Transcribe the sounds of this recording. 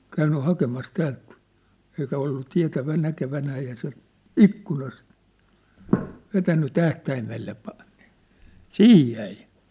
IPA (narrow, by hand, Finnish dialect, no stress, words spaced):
kæynːy hɑkemɑs tæːlt eikæ olːu tiæ̝tæʋæ nækeʋænæː eihæ se ikːunɑst ʋetænːy tæhtæimelːe pɑ ni̥ siːj jæi